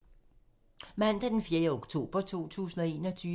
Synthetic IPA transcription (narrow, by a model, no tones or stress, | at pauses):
mæn̰d̥ɐd̥enfjeɐjəoɡ̥t͡sʰo̝̰ːb̥ɐt͡sʰo̝̰ːt͡sʰṵːsn̩ɒe̝ːnɒ̽t͡sʰyː